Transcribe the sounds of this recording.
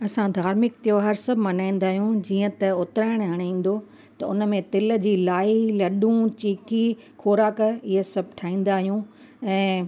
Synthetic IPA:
ɐsãd̪ʱaːɾmɪk̚t̪ijoɦɐɾsɐbʱɪmɐnaːĩːn̆d̪aːɦijũd͡ʑiːə̃t̪ɐʊt̪ɪɾaːɪɽ̃ɦɐɽ̃aĩːn̆d̪o | t̪ɐʊnə̆mẽt̪ɪl̆d͡ʑiːlaːilɐɗũt͡ɕiːki | kʰoːɾaːkɪɦəsɐbʱʈʰaːĩːn̆d̪aːɦijũ | ɛ̃ː

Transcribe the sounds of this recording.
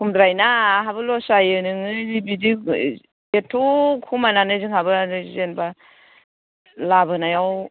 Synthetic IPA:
kʰumdɾajnaɦabɯlɔsajɯnɯŋɯnibidi | etʰukʰumananɯziŋhabɯnɯzenba | labɯnajaw

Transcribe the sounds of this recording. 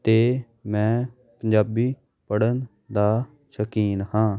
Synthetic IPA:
t̪eː | mɛ̃ː | pəɲd͡ʒaːbiː | pəɽən | d̪aː | ʃəkiːnhãː

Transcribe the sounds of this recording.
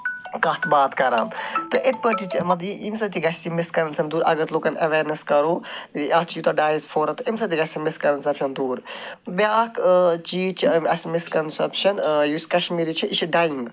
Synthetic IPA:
kɐt̪ʰbaːt̪kɐɾaːnt̪ɨʔit̪̚ʰpəʈit͡ʃʰimɐt̪iimsɐt̪iɡɐt͡ʃʰt̪imɪskɐɾɐnsɐmd̪uːɾɐ̰ɡɐɾt̪loːkɐnɐʋeːɾnɐskɐɾoːɐt͡ʃʰjut̪ɐɖaːjzfʰoːɾɐt̪ɐimsɐt̪ʰiɡɐt͡ʃʲsimɪskɐɾɐnsɐpʃʰɐnd̪uːɾbʲaːkt͡ʃiːt͡ʃʰɐsmɪskɐnsɐpʃɐnjuskɐʃmiɾit͡ʃʰiʔiʃʰiɖaːjiŋɡ

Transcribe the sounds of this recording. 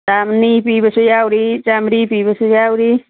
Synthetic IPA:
tamnipibəsujawɾit͡ʃamɾipibəsujawɾi

